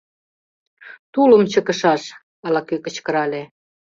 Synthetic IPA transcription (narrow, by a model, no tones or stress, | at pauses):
t̪ulə̆mt͡ɕəkə̆ʃɑʃ | ɑlɑkøkə̆t͡ɕkə̆ɾɑle